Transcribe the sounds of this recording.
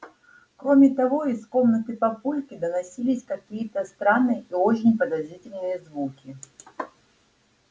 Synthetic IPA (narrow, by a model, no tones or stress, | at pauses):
kɾo̞mʲɪt̪ɐvo̞isko̞mnət̪ɨpɐpulʲkʲɪd̪ənɐsʲilʲɪsʲkɐkʲijət̪əst̪ɾanːɨjəʔio̞t͡ɕɪnʲpəd̪ɐzɾʲitʲɪlʲnɨjəzvukʲɪ